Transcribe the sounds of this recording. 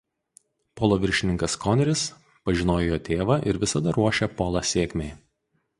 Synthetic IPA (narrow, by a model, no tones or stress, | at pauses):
poːlˠoːʋʲɪɾʲʃʲɪnʲɪŋkɐskɔːnʲɛɾʲɪs | pɐʒʲɪnoːjojoːt̪ʲeːʋɐʔɪɾʋʲɪsɐd̪ɐɾuɔʃʲɛpoːlˠɑsʲeːkʲmʲeɪ